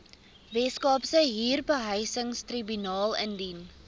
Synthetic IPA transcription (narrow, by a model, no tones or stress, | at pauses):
vɛskɑːpsəɦiːrbəɦəjsəŋstribynɑːlˠəndin